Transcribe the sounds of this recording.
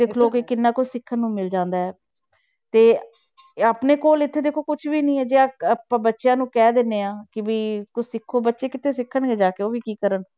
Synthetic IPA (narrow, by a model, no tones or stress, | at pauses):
d̪eːkʰloːkɪkɪnːãːkʊt͡ʃʰsɪkʰːənːũːmɪld͡ʒãːnd̪aːɦɛː | t̪eː | aːpneːkoːlɪt̪ʰːeːd̪eːkʰoːkʊt͡ʃʰʋiːnəĩːɛːd͡ʒeːakəpãːbətːʃjãːnũːkɛːd̪enːeːãːkɪbiːkʊt͡ʃsɪkʰːoːbətːʃeːkɪt̪ʰeːsɪkʰːəɳɡeːd͡ʒaːkeːoːʋiːkiːkəɾən